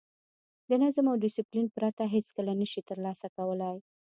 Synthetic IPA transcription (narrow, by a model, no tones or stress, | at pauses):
d̪ənazmawɖɪsiplinpɾat̪aɦet͡skəlanəʃit̪əɾlɑsakawəlaj